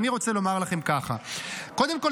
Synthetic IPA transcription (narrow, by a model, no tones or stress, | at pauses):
niʁo̞t͡se̞lo̞maʁlaχe̞mkaχa̰ko̞d̪emkol